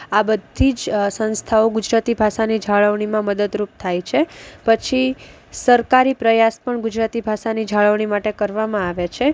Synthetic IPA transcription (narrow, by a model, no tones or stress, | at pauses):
abəd̪ʱid͡ʒsə̃nst̪ʰaoɡʊd͡ʒɾat̪ibʱaʃanid͡ʒʱaɭəʋɳimãməd̪əd̪ɾup̚t̪ʰajt͡ʃʰepət͡ʃʰi | səɾkaɾipɾəjaspəɳɡʊd͡ʒɾat̪ibʱaʃanid͡ʒʱaɭəʋɳimaʈekəɾʋamãaʋet͡ʃʰe